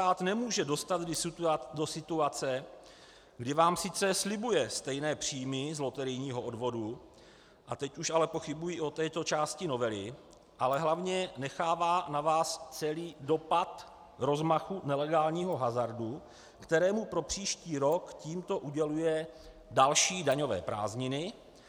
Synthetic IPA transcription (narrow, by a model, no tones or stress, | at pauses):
aːt̪nɛmuːʒɛdo̞st̪at̪do̞sɪt̪uat͡sɛ | ɡdɪvaːmsɪt͡sɛslɪbujɛst̪ɛjnɛːpr̝̥iːmɪzlo̞t̪ɛɾɪjɲiːɦo̞ʔo̞dvo̞du | ʔat̪ɛcuʃʔalɛpo̞xɪbujiːʔo̞t̪ɛːt̪o̞t͡ʃaːscɪno̞vɛlɪ | ʔalɛɦlavɲɛnɛxaːvaːnavaːst͡sɛliːdo̞pat̪ | ɾo̞zmaxunɛlɛɡaːlɲiːɦo̞ɦazaɾdu | kt̪ɛɾɛːmupɾo̞pr̝̥iːʃciːɾo̞kciːmt̪o̞ʔuɟɛlujɛ | dalʃiːdaɲo̞vɛ̰ːpɾa̰ːzɲɪnɪ